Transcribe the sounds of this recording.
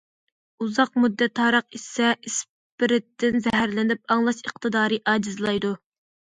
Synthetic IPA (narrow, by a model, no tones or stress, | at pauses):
uzɑq̚mud̪ːɛt̪ːɑːɾəqisɛʔis | pɪɾɪt̪ʰːɪnzɛɦæɾlɪnɪp̚ɑŋlˠɑʃəqt̪ʰɨd̪ɑːɾɨʔɑːd͡ʒizlˠɑjd̪u